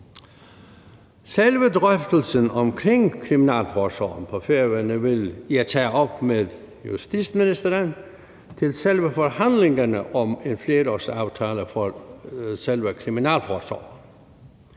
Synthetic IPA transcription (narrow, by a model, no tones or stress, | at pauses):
selʋədʁœfd̪̥əl̩sənɒmkʰʁeŋkʰʁiminæ̰ːlfɒːsɑ̰ːnpʰɒfeɐʋənəʋe̝liɐt͡sʰæːɒ̽b̥meðˠ | jṵsd̥isminisd̥ɐɾən | t͡sʰe̝lselʋəfɒhænleŋɐnəʔɒmenfleːɾɒsɑ̈ʊt͡sʰɛːləfɒ | selʋəkʰʁiminæ̰ːlfɒːsɑ̰ːn